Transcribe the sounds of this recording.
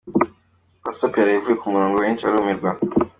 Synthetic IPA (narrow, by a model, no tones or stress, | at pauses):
asapiaɾajivujekumuɾoːŋɡoweːnt͡ʃiaɾiumiɾɡwa